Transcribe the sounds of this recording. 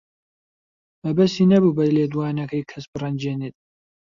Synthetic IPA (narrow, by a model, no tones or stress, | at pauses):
mɐbɐsiːnɐbuːbɐleːd̪uwaːnɐkʰɐjkʰɐsbɨrɐnd͡ʒeːnit̪̚